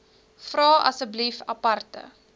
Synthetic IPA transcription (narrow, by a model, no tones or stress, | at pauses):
frɑːʔɐ̰səblifɐpɐrtə̰